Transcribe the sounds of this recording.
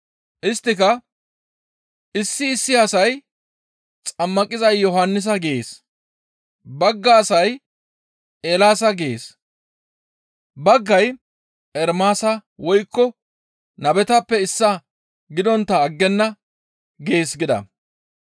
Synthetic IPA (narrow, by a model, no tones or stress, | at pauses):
ʔɪst̪ːɪkɐ | ʔɪsːɪːsːɪɐsɐj | t͡sʼɐmːɐkʼɪzɐjːɔɦɐnːɪs̬ɐɡeeːs | bɐɡːaːsɐj | ʔeːlaːsɐɡeḛːs | bɐɡːɐj | ʔɛɾmaːsɐwɔjkːɔ | nɐbɛt̪ɐpːɛɪsːɐ | ɡɪd̪ɔnt̪ːɐːɡːɛnːɐ | ɡe̞ːsɡɪd̪ɐ̰